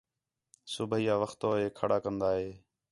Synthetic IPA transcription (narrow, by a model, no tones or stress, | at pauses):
sʊbʱiːaːʋəxt̪oːɦeːkʰəɽaːkənd̪aːɦeː